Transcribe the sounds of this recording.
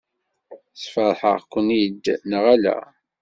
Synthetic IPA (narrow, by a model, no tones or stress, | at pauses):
sfəðˤħə̰ʁkʷənjd̪nəʁælæ̰